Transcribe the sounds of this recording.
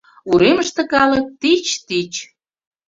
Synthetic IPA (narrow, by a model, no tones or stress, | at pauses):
uɾeməʃt̪ə̆kɑlə̆t̪it͡ɕt̪it͡ɕ